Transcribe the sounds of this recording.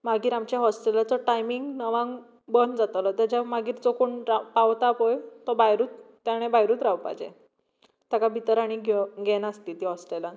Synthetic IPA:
maɡiːɾamt͡ɕjaɦɔsʈelat͡sɔʈajmiŋɡnəʋãŋɡ | bənd͡zat̪lɔt̪ad͡ʑamaɡiːɾd͡zɔkoɳɾapaʋt̪apojt̪ɔbajɾuːt̪ːjaɽ̃ẽbaɦjɾuːt̪ɾawpa̰d͡ʑḛ | t̪jakabʱit̪əɾaɽ̃iɡɡɛnəst̪iːt̪iːɦɔsʈela

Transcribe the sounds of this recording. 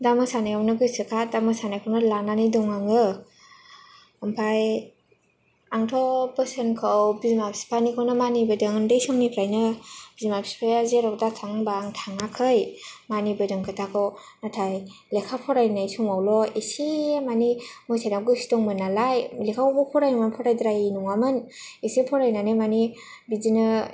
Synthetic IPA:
damɯsanajkʰawnɯɡɯsɯkʰadamɯsanajkʰawnɯlananidɔŋaŋɯ | ɯmpʰaj | aŋtʰɔbəsenkʰɯwbizmapsi̥pʰanikʰawnɯmanibɯdɯŋdejsɔŋnipʰlajnɯb̥izmapʰsi̥pʰajazeɾɔwdatʰaŋbaŋtʰaŋakʰɯjmanibɯdɯŋkʰɯtʰakʰɯw | natʰaj | lekʰapʰɔɾajnajsumawlɔesimanimɔjsʰajnaɡɯsi̥tɔŋmɯnalajlekʰabɔpʰɔɾajnuŋanpʰɔɾajdɾajinuŋamɯnesepʰɔɾajnanɯmani | bizinɯ

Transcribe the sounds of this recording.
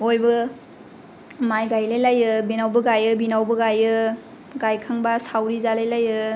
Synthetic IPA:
ojbɯ | majɡajlajlajɯbinawbɯɡajɯbinawbɯɡajɯ | ɡajkʰaŋbasawɾizalajlajɯ

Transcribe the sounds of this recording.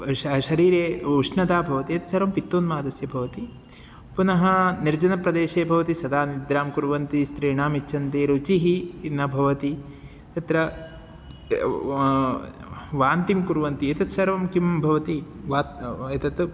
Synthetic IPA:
ʃɐɾiːɾeːuʂnɐd̪aːbʱɐʋɐt̪iɐt̪ɐ̥sɐɾʋɐmpit̪ːoːnmaːd̪ɐsjɐbʱɐʋɐt̪i | punɐɦɐniɾd͡ʒɐnɐpɾɐd̪eːʃeːbʱɐʋɐt̪isɐd̪aːnid̪ɾaːmkuɾʋɐnt̪ist̪ɾiːɳaːmit͡ʃʰɐnt̪eːɾut͡ʃiɦinɐbʱɐʋɐt̪i | t̪ɐt̪ɾɐ | ʋaːnt̪imkuɾʋɐnt̪iɐt̪ɐt̪sɐɾʋɐmkimbʱɐʋɐt̪i | ʋaːt̪ɐt̪ɐt̪

